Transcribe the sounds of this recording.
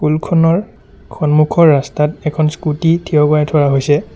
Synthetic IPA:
kulkʰɔnɔɹ | kʰɔnmukʰɔɹːastatɛkʰɔnskutitʰijɔkajtʰɔɹaɦojsɛ

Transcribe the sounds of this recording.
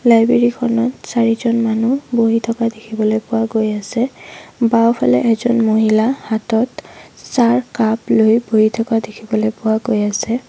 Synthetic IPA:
lajbɹeɹikʰɔnɔtsaɹizɔnmanuboɦitʰɔkadekʰibɔlojpʊwaɡojasɛbawpʰalɛ̰ʔɛkzɔnmoɦilahatɔtsaɹkaplojboɦitʰɔkadekʰibɔlojpʊaɡojasɛ

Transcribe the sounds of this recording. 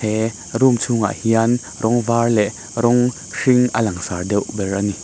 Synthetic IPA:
ɛ | rumt͡sʰuŋa̰ʔhian | rɔŋvaːrlɛʔ | rɔŋ | ʂiŋʔəlɐŋsaːrdɛwbɛrani

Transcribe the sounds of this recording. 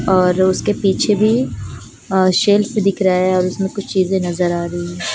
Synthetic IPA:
ɔːɾʊskepiːt͡ʃʰebʱi | ʃeːlped̪ɪkʰɾaɛɔːɾʊsmẽkʊt͡ʃʰt͡ʃiːzẽnɐzəɾaːɾɐiɦɛ̃ː

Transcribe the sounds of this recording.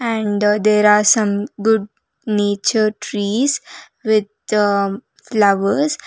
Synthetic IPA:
ɛ̃ɳɖd̪eːɾaːɾsʌ̃mɡʊɖ | neːt͡ʃəɾʈɾiːs | ʋɪd̪̚ | flaʋəɾs

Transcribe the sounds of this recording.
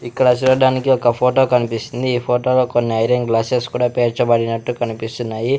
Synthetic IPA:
iklas̬iɾoɖanikiɔkapʰoʈokanpisind̪iːpʰoʈolokonːeajɾeŋɡlaseskuːɽapeɾt͡ʃabaɽinaʈːukanupisunːaji

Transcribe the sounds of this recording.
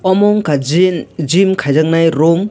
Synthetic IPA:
ɔmɔŋkʰand͡ʒimkʰajzaŋnajɾɔm

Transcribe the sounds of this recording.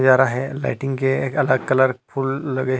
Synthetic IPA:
d͡ʑaɾaɦela̰jʈiŋɡkeekələɡ̚kələɾpʰulːəɡə

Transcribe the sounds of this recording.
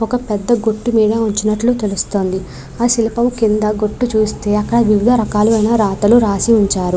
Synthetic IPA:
ɔkɐpɛd̪ːɐɡoʈːumiːɽɐuɲt͡ʃinɐʈluːt̪e̞lust̪o̞ːnd̪i | aːsilipɐmukind̪ɐɡo̞ʈːut͡ʃuːst̪e̞ːɐkːɐɽɐʋiʋid̪ʱɐɾɐkaːluɐjnɐɾaːt̪ɐluɾaːsiuɲt͡ʃaːɾu

